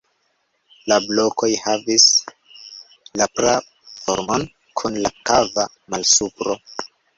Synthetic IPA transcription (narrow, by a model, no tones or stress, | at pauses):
lablo̞ko̞jhavis | lapɾa | fo̰ɾmon | kʰunlakava | malsupɾo